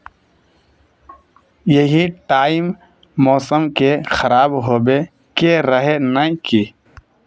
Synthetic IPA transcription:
jəɦiʈaːimː | ɔːsəmkexəɾaːbɦoːbe | keɾəɦenaki

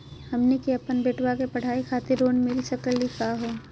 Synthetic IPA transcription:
hɐmnekiɐpənbeːʈwakepɐɽ̤ʱaːikʰaːt̪ɪɾːoːnmɪlsəkəlikaːɦoː

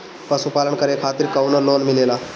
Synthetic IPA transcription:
pəsupaːləɳkəɾekʰaːt̪iɾkawnəɾloːnmilelaː

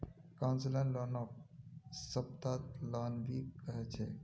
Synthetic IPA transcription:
kãnslə̃nlaːnɔːp̚səb̚t̪aːt̪laːnbʱikəɦɛt͡ʃʰḛ

